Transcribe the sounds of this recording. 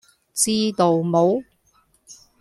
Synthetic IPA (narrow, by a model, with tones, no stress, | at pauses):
t͡siː˥t̪o˨wmo˨˥w